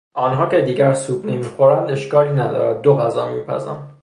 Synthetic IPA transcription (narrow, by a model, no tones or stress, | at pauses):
ʔɒːnɦɒːcʰe̞d̪iːɟæɾsuːbnemiːxoɾænd̪e̞ʃkɒːliːnæd̪ɒ̰ːɾæd̪̚ːoɣæzɒːmiːpʰæ̰zæ̰nd̪̥